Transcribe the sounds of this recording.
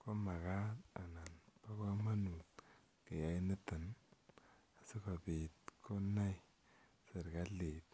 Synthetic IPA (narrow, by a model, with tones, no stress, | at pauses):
ko˦ma˨ka˦ta̰˨na˨npa˦ko˦ma˦nu˨t | ke˨ja˨i˦ni˦tə˨n | a˨si˦ka˨pe˨t̚kʰo˦na˦j | se˨ɾka˦le˨t